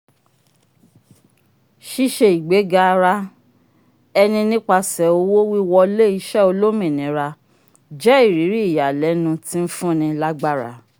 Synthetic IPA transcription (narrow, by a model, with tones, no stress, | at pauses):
ʃi˦ʃe˧i˨ɡ͡be˨˦ɡa˧ɾa˦ | ɛ˧nĩ˧nĩ˦k͡pa˧sɛ˨o˧wo˦wi˦wɔ˧le˦˨i˧˦ʃɛ˦o˧lo˦mĩ˨nĩ˨˦ɾa˧ | d͡ʒɛ˦i˦˨ɾi˨˦ɾi˦i˦˨ja˨lɛ˨˦nũ˧ti˦n̩˦fũ˦nĩ˧la˦ɡ͡ba˦˨ɾa̰˨˦